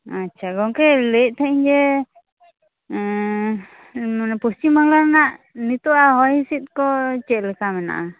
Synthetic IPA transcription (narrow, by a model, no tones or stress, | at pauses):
atːt͡ʃʰaɡɔŋkɛlɛʔ̚ˀt̪ʰɛʔiɲd͡ʒɛ | mnɛpust͡ʃimaŋlaɾnaʔ | nit̪ɔaɦɔjisit̪̚kɔt͡ʃɛʔ̪̚lɛkamɛna̰ʔa